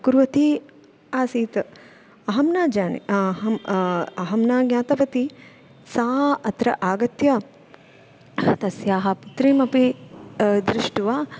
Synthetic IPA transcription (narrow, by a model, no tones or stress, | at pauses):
kuɾʋɐt̪i | aːsiːt̪ | ɐɦɐmnaːd͡ʒaːnḭɦɐɐɦɐmnaːɡɲʲaːt̪ɐpɐt̪i | saːɦʔɐt̪ɾɐʔaːɡɐt̪ja | t̪ɐsjaːɦɐput̪ɾiːmɐpi | d̪ɾɪʂʈuʋaː